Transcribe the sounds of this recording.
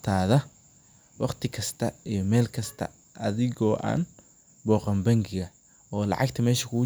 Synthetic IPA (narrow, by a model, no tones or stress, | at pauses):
t̪ʰaːðɐ | wɑqt̪ʰɪkʰɐst̪ʰɐijɞmɛːlkʰɐst̪ʰɐ̰ | ʔɐðɪɣɔːʔa̰ːn | bɔːqɐmbɐŋɡɪɣɐ | ɔːlɑ̰ʕɑɡt̪ʰɐmɛːʃɐkʰʊɣʊ